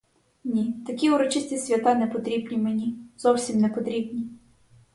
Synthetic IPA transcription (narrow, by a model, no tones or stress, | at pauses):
nʲit̪ɐkʲiuɾɔt͡ʃɪsʲtʲisʲʋʲɐt̪ɑnɛpɔt̪ɾʲibnʲimenʲizɔwsʲimnɛpɔt̪ɾʲibnʲi